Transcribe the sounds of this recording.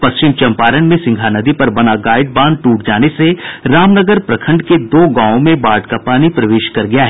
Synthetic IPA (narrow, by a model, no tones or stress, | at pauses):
pɐst͡ʃɪmt͡ʃɐ̃mpaːɾənmẽsɪ̃ŋɡʱanɐd̪ipɐɾbɐnaɡaːɪɖ̚bãːnd̪̚ʈuːʈd͡ʒaːneseɾaːmnəɡəɾpɾɐkʰə̃ɳɖked̪oːɡãːõmẽbaːɖkapaːnipɾɐʋeːʃkɐɾɡɐjaɦɛː